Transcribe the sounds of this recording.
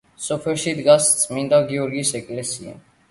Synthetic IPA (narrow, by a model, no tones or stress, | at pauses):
sɔpʰɛɾʃid̪ɡast̪sʼmind̪aɡiɔɾɡisɛkʼlɛsia̰